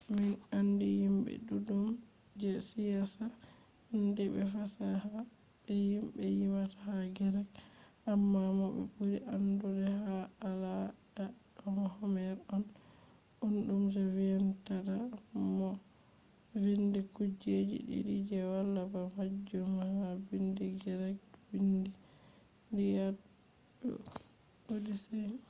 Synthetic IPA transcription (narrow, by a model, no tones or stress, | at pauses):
minandihimbɛ̰ɗuɗum | d͡ʒɛsijasa | indɛbɛ̰fasaha | bɛhimbɛjimatḁhaɡɛɾɛk | amːamɔbɛ̰buɾiʔandudɛhaːlada | ɗɔmɔhɔmɛɾɗɔn | ʔunɗumtɛvintadamɔ | vindikud͡ʒed͡ʒḭɗḭdid͡ʒɛwalːabamad͡ʒɔmahabindiɡɛɾɛɡ̚ | bindi | dija | bɛ̰ | ɓodisɛ